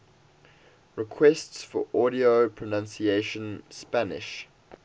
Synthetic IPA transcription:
ɹɪkʰwɛstsfɔ̰ʔɔɾiopʰɹənãnsieʃə̃nspænɪ̰ʃ

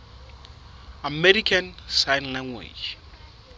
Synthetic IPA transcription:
amɛɾikʰãnsajnlãŋɡwḛd͡ʒ

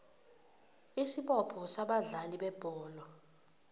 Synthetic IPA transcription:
isiɓɔpʰɔsaɓaɮaliɓɛb̥ʱɔːlɔ

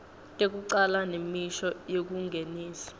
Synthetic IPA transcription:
tʼek̬uǃalanemiʃɔjok̬uŋɡʱeniːsḁ

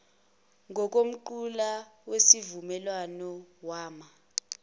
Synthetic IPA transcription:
ŋʱɔk̬ʼom̩ǃulawesivumɛlwanɔwaːma

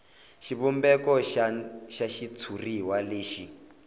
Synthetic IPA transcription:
ʃiβɔmbɛkɔ | ʃaʃit͡sʰuriwaleːʃi

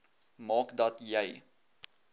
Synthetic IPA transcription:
mɑːkdɐtjɛj

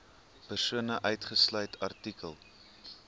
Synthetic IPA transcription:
pərsuənəʔœɥtχəslœɥtʰɐrtikəlˠ

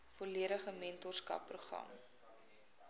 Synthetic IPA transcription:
foliəɾəχəmɛntɔrskɐ̰pːruχrɐ̰m

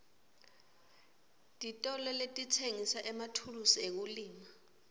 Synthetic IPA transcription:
tʼitʼɔlɛletʼitʰeŋisaʔɛmatʰulusiek̬uliːma

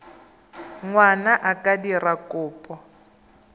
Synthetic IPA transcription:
ŋwanaʔakadirakʊːpʼɔ

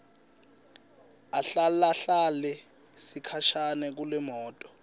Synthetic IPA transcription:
aɬalaɬalɛ | sikʰaʃanɛk̬ulɛmɔːtʼɔ̥

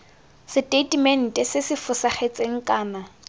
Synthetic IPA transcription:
sɪtʼetʼmɛn̩tʼɪsɪsɪfʊsaχet͡sʼeŋ̩kʼaːna

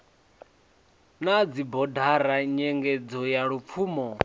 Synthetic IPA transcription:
nad͡zibɔdʱaɾaɲɛŋɡɛd͡zɔjaɺup̪fʰuːmɔ

